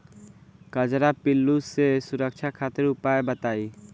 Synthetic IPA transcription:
kəd͡ʒɾapilːusesuɾək̚t͡ʃʰakʰat̪eɾʊpaebət̪aːi

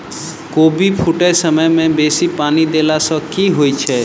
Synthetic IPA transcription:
kobipʰuʈesəməjmẽbesipanid̪elasɔkiɦojt͡ʃʰe

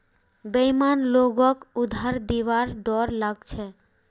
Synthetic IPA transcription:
bejmanloɡɔkud̪ʱːaɾd̪iʋaɾɖɔɾlaɡt͡ʃʰe

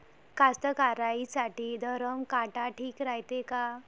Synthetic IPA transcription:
kast̪əkaɾaisaʈiːd̪ʱəɾəmkaʈaʈʰiːkɾajt̪eka

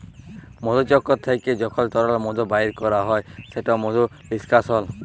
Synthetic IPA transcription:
mod̪ut͡ʃɔkːɔt̪ʰːajked͡ʒɔkʰɔlt̪ɔɾaɾɔmod̪ʱubaiɾkɔɾaɦɔeseʈɔmod̪ʱu | liskasɔl

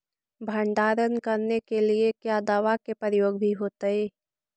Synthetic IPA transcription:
bʱəɳɖaːɾənkəɾnekeliekjaːd̪aːʋakepəɾəjoːɡ̚bʱiɦoːt̪aeː

